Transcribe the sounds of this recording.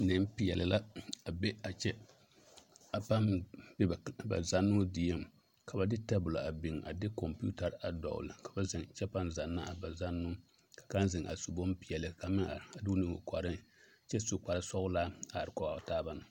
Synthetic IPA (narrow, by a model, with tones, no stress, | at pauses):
nɨ˨m˦pi˨jɛ˨lɨ˨la˦a˨bɛ˦a˨t͡ʃɛ˦ | a˨pa˦mbɛ˦˨ba̰˨za˦nːʊ˦di˨ja˦˨m | ka˨ba˨dɪ˦tɛ˦bʊ˨la˨a˨bɪ˨ŋʔa̰˨dɪ˦kɔ˨mpṵ˦ta˨ɾa˨dɔ̰˨ʊ̰˨lɨ˨ka˨ba˦zɪ˨ŋt͡ʃɛ˦pa˦mza˨nːa˦˨ba˨za˦nːʊ˦ | kḁ˨ka˦nzɪ˨ŋʔa̰˨su˨bo˦m˦pi˨jɛ˨lɨ˨ka˨mɪ˦a˨a˨duː˦nɨ˨ŋo̰˨kɔ˨ɾɨ˦ | t͡ʃɛ˦su˨k͡pa˨ɾɨ˦sɔ˦ɣʊ˦laː˦a˨ɾɨ˨kɔ˨a˨taː˦ba˦nɨ˨